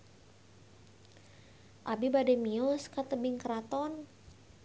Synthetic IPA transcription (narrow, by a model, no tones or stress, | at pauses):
ʔabibadɛmiɔskat̪əbɪŋkəɾat̪ɔn